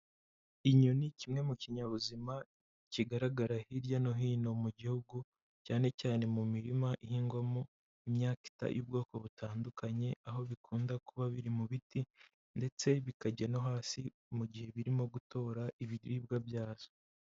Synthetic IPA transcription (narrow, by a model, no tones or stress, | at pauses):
iɲunicimŋe̞muciɲaβuzima | ciɡaɾaɡaɾahiɾɟano̞ɦiːno̞muɟihuɡu | caːne̞caːne̞mumiɾimaʔihiːŋɡwamo | imɲaːki̥ta̰jʔuːb̚ɡo̞ːko̞βutʰaːndukaɲe̞aɦo̞βikuːndakuβaβiɾimuβiti | nde̞t͡se̞βikaɟano̞ɦaːsi | muɟihe̞βiɾimo̞ɡuto̞ːɾaʔiβiɾiːb̚ɡabjaːz̥o